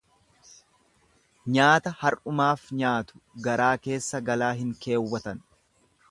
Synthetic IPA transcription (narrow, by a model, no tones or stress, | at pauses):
ɲaːt̪ɐhɐɾʔʊmaːfɲaːt̪ʊ̥ɡɐɾaːke̞ːsːɐɡɐlaːɦɪŋke̞ːwːɐt̪ɐn